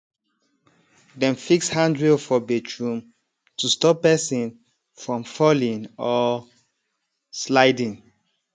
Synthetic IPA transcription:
dɛ̃mfikshãndɹefɔbɛt͡ʃʰɹũm | tustɔpːɛsĩn | fɹɔ̃mfɔlĩŋɔ | slaɪdĩŋ

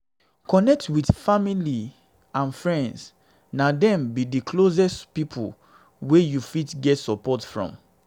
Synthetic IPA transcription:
kɔnɛk̚twidfamili | ãnfɹɛ̃nds | nadɛ̃mbidikʰlozɛspipʰṵ | wejufitɡɛtsɔpɔtfɹɔ̰̃m

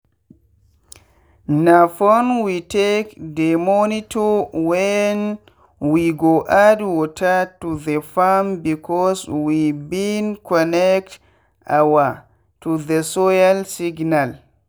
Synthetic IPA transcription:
nafɔnwitekdɛmonitɔwɛn | wiɡoʔadwɔtʰatuðəfambikɔswibinkɔnɛkt | ʔa̰wa | tuðəsɔjalsiɡnal

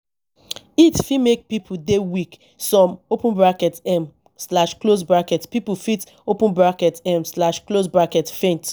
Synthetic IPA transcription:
itfimek̚pipʰudewik | sɔ̃mopə̃nbɹakɛtɛm | slaʃklosbɹakɛtpipufit | opə̃nbɹakɛtɛ̃mslaʃklosbɹakɛtfẽnt

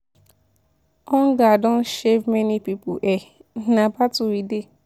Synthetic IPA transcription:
ɔ̃n̩ɡadɔ̃nʃevmɛnipipoʔɛnabatuide

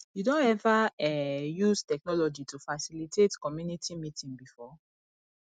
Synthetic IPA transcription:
judõnɛvaɛjuztɛknɔlɔd͡ʒitufasilitetkɔmjunitʰimitĩŋbifɔ

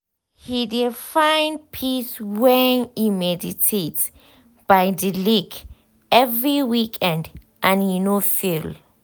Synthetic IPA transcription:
hidifãj̃nd̚pʰiswɛnimɛditʰet | b̥ajdilik | ɛvɹiwikʰɛ̃nd | ʔãnhinofil

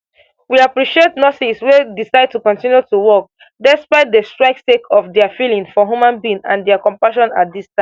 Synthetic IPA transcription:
wiapɹiʃietnɔtiswedisaɪd̚tukɔ̃ntĩnjutuwɔk̚ | dɛspaɪt̚dəstɹaɪksekʰɔfdɛəfilĩŋfɔɦjumãnbĩnã̰ndɛəkɔ̃mpaʃɔ̃na̰t̚distãɪ̃

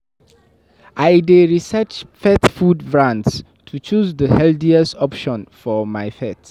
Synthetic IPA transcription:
ʔajdeɹisɛt͡ʃfɛtfudbɹãnds | tʰut͡ʃuzdəhɛldiɛstɔpʃɔ̃nfɔmajfɛt

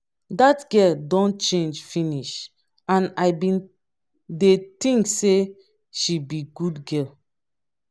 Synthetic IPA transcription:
datɡɛldɔ̃nt͡ʃẽnd͡ʒfĩniʃ | ãnaɪbĩn | detĩŋkse | ʃibiɡudɡɛl

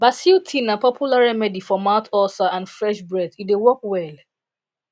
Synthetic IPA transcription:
basiltʰinapɔpʰjulaɹɛmɛdifɔmãʊtɔsaʔãnfɹɛʃbɹɛdidewɔkwɛl

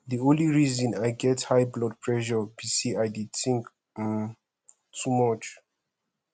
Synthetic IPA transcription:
diõnliɹizɔ̃najɡɛthajblɔd̚pʰɹɛʃɔbisiajdid̚θĩŋk | tʰumɔt͡ʃ

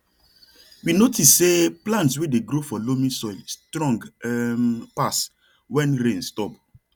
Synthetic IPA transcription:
winotisːeplãntswedeɡɾofɔlomĩsɔɪlstɹɔ̃ŋɡmpas | wɛ̃nɾẽnstɔp

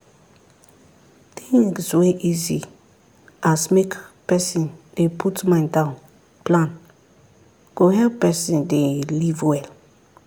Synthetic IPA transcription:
tĩsweʔizi | asmekpɛsĩndepʰutmãɪ̃ndãʊ̃n | plãn | ɡ̥oɦɛlpɛsĩndelivwɛl

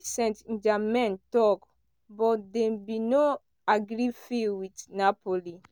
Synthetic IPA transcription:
sɛ̃nt̪d͡ʒamɛnt̪ɔk | bɔd̪embino | aɡɾifiwit̪napoli

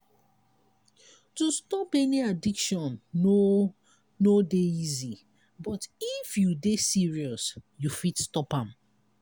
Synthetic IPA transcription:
tustɔpɛniadikʃɔ̃no | nodeizi | bɔtifjudesiɹiɔsjufitstɔpãm

